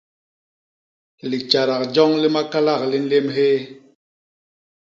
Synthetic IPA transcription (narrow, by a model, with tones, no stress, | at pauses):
li˨t͡ʃa˨ɾa˨k̚d͡ʒɔ˦ŋli˦ma˦ka˦la˦˨k̚li˦n̩˦le˦mɦe˦